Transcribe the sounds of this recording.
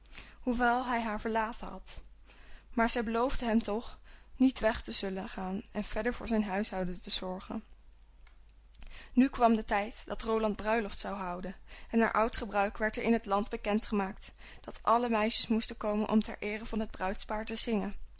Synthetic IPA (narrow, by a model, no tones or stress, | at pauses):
huʋɛlˠɦɛjɦaːɹvəɹlaːtənɦɑt | maːɹzɛjbəlowvdəɦɛmtɔχnitʋɛχtəzɵləχaːnɛnv̥ɛɹdəɹv̥ʊːɹzɛjnɦœɥsɦɑwdəntəz̥ɔɹχə̰n | nykʋɑmdətɛjtd̥ɑtrowlɑnd̚brœɥlɔftsɑwɦɑwdənɛnːa̰ːɹʔɑwtχəbrœɥkʋɛɹtəɹɪnɦətlɑndbəkɛntχəmaːk̚t | d̥ɑtʔɑləmɛjʃəsmustəkowmənʔɔ̰mtɛ̰ɹʔɪːrəvɑnɦəd̚brœɥtspaːɹtəz̥ɪŋən